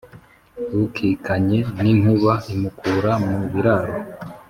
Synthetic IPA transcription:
βukʰikaɲe̞nin̥uβaimukʰuɾamuβiɾaɾo

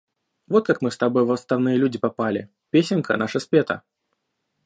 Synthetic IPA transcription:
vo̞t̪̚kakmɨst̪ɐbo̞jvəst̪ɐvnɨjəlʲudʲɪpɐpalʲɪ | pʲesʲɪnkʰə̰naʂəspʲet̪ə̰

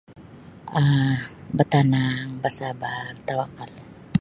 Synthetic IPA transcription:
abat̪anaŋbasabart̪awakal

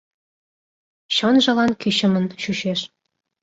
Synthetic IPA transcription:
ɕonʒɤ̆lɑnkyɕə̆mə̆nɕuɕeʃ

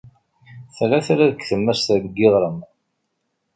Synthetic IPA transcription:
θlæθæɾæðəkːθəmːəɾst̪əbəɡːiðˤɾəm

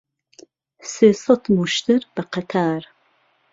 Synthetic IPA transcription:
seːsɑt̪muʃt̪ɨɾbɐqækʰaːɾ

